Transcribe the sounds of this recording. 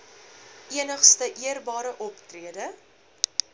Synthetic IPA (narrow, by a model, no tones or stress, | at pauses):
ʔiənəχstəʔiərbɑːɾəʔɔptriədə